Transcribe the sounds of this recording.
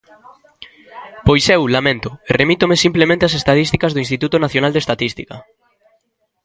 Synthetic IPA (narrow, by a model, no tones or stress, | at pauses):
pojsewlamẽnt̪ʊeremit̪omesimplemẽnt̪easest̪aðist̪ikɐzðoʊinst̪it̪ut̪onaθjonald̪est̪at̪ist̪ikɐ